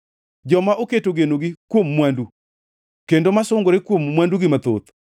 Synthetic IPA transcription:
d͡ʒɔmaʔoketoɡenoɡɪkwomːwandu | kendomasʊŋɡoɾɪkwomːwanduɡɪmat̪o̰t̪

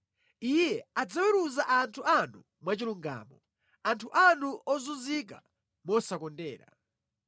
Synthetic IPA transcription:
ijɛad͡zawɛɾuzaʔantʰuanu | mwat͡ʃiluŋɡa̰ːmɔ | antʰuʔanuʔɔzuzik̬a̰ | mɔsakɔndɛ̰ːɾa̰

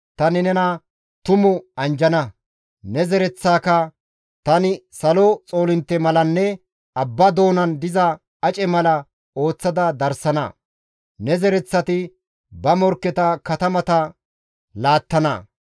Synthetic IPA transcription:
t̪ɐnɪnɛnɐ | t̪ʊmʊɐnd͡ʒɐnɐ | nɛzɛɾɛt͡sːaːkɐ | t̪ɐnɪsɐlot͡sʼo̞ːlɪnt̪ːɛmɐlɐnːɛ | ɐbːɐd̪o̞ːnɐnd̪ɪzɐ | ɐt͡ʃʼɛmɐlɐ | o̞ːt͡sːɐd̪ɐd̪ɐɾsɐnɐ̰ | nɛzɛɾɛt͡sːɐt̪ɪ | bɐmɔɾkːɛt̪ɐkɐt̪ɐmɐt̪ɐ | laːt̪ːɐnɐ

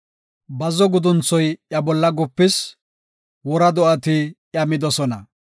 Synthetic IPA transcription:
bɐzɔɡʊd̪ʊnt͡sːɔjjɐbɔlːɐɡʊpːɪs | wɔɾɐd̪ɔʔɐt̪ɪ | jɐmɪd̪ɔsɔnɐ

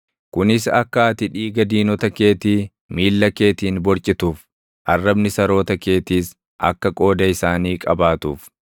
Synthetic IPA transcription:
kʊnɪsɐkːaːt̪ɪᶑiːɡɐd̪iːnɔt̪ɐke̞ːt̪iː | miːlːɐke̞ːt̪iːnbɔɾt͡ʃʼɪt̪uːf | ʔɐrːɐbnɪsɐɾo̞ːt̪ɐke̞ːt̪iːs | ʔɐ̰kːɐkʼo̞ːd̪ɐɪsaːniːkʼɐbaːt̪uːf

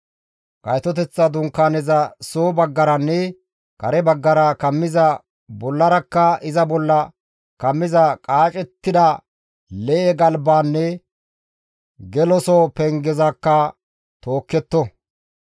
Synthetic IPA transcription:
kʼɐjt̪ɔt̪ɛt͡sːɐd̪ʊŋkːaːnɛzɐsoːbɐɡːɐɾɐnːɛ | kɐɾɛbɐɡːɐɾɐkɐmːɪzɐ | bɔlːɐɾɐkːɐɪzɐbɔlːɐ | kɐmːɪzɐkʼaːt͡ʃʼɛt̪ːɪd̪ɐ | lɛʔɛɡɐlbaːnːɛ | ɡɛlɔsɔpɛŋɡɛzɐkːɐ | t̪oːkːɛt̪ːɔ

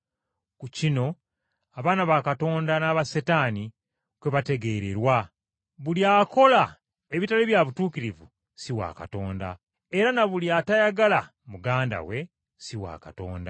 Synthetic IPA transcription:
kucino̞ | aβaːnaβakato̞ːndanaːβasetaːni | kweβate̞ɡe̞ːɾeɾwa | βuljaːko̞la | eβitaliβjaβutuːkiɾivṵ | siwa̰ːkato̞ːnda̰ | eɾanaβuljaːtajaɡala | muɡaːnda̰we̞ | siwa̰ːkato̞̰ːnda̰

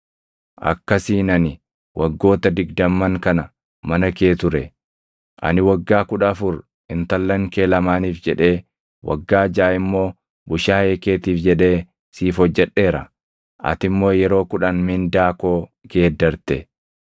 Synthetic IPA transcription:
ʔɐ̰kːɐsiːnɐnɪ | wʔɐɡːo̞ːt̪ɐd̪ɪɡd̪ɐmːɐŋkɐnɐ | mɐnɐke̞ːt̪ʊɾɛ | ʔɐ̰nɪwɐɡːaːkʊᶑɐːfʊɾ | ɪnt̪ɐlːɐŋke̞ːlɐmaːniːfd͡ʒɛᶑe̞ː | wʔɐ̰ɡːaːd͡ʒaːɪmːo̞ː | bʊʃaːeːke̞ːt̪iːfd͡ʒɛᶑe̞ː | siːfɔd͡ʒːɛᶑe̞ːɾɐ | ʔɐ̰t̪ɪmːo̞ːjɛɾo̞ːkʊᶑɐnmɪnd̪aːko̞ːɡe̞ːd̪ːɐɾt̪ɛ

